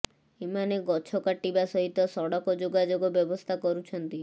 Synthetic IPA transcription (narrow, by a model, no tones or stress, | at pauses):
emaneɡɔt͡ʃʰɔkaʈibasɔɦit̪ːɔsɔɽɔkɔd͡ʒoɡad͡ʒoɡɔbjɔbɔst̪ʰakɔɾut͡ʃʰɔnt̪i